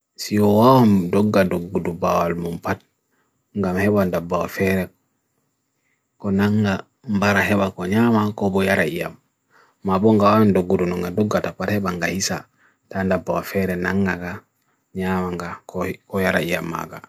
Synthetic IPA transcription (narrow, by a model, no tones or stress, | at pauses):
sijɔwawamdɔɡːadoɡːudubawalmumpat̚ | ŋɡamhɛbandabːawa̰fɛɾɛ | kɔnaŋɡa | mbaɾaɦɛɓakɔɲamakɔbɔjaɾaija̰mː | abɔŋɡawawandoɡːudunɔŋɡadɔɡːatapːathɛɓaŋɡahisa̰ | tandabːawafɛɾɛnaŋɡaɡa | ɲamaŋɡakɔkɔjaɾaijamːa̰ɡa